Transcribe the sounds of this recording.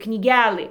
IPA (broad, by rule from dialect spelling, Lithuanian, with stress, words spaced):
knʲiːˈɡʲælˠɨ